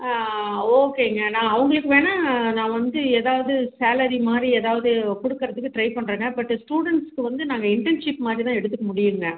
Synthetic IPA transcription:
oːkeːŋɡɐnãːɐʋɐŋɡɐɭɯkːɯʋeːnaːnãːʋɐnd̪ɯeːðaːʋɐðɯsaːlɐɾimaːd̪ɾieːðaːʋɐðɯkɔɽʊkːɯɾɐðɯkːɯʈɾɐɪpɐɳːɾeːŋɡɐbɐʈːɯsʈuːɽɛɳʈskːɯʋɐnd̪ɯnaːŋɡɐɪɳʈɛnʂɪpmaːd̪ɾit̪ãːɛɽɯt̪ːɯkːɐmʊɽɪjɯŋɡɐ

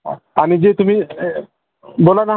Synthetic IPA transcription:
amid͡ʒet̪umi | bolana

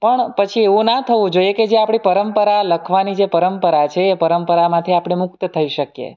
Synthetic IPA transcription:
pəɳpət͡ʃʰieʋũnat̪ʰəʋũd͡ʒoijeked͡ʒeapɳ̃ipəɾəmpəɾaləkʰʋanid͡ʒepəɾəmpəɾat͡ʃʰeːpəɾəmpəɾamãt̪ʰiapɽ̃emʊk̚t̪t̪ʰəiʃəkjḛ

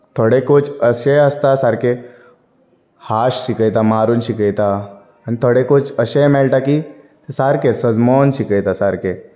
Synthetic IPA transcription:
t̪ʰoɽekot͡ʃəɕeəst̪asaɾke | haɕɕikəjt̪amaɾunɕikəjt̪aː | nit̪ʰoɽekot͡ʃəɕejmɛɭʈaki | t̪esaɾkesəd͡zmɔːnɕikəjt̪asaɾke

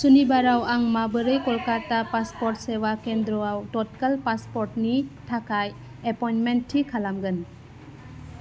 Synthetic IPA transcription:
sunibaɾawaŋmabɯɾɯjkɔlkatapaspɔɾt̚sewakend̪ɾɔawtɔt̚kalpaspɔɾtnitʰakaj | epɔjnmentʰːikʰalamɡɯn

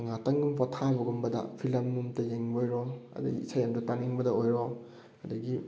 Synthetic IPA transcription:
ŋatɐŋɡumpʰatʰabɐɡumbɐdɐ̰pʰilɐmːumtɐjeŋbojɾohɐ̰dɐɡḭːsajamdutaniŋbɐdɐojɾo | hɐdɐɡi

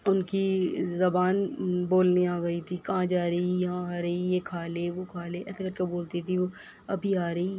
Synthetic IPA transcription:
ʊnkizɐbaːnboːlniaːɡɐit̪ʰikɐɦãd͡ʒaːɾɐijɐãaːɾɐijekʰaːleːʋokʰaːleːɛ̰ːsakɐɾkeboːlt̪it̪ʰiʋo | ɐ̰bʱiaːɾɐɦi

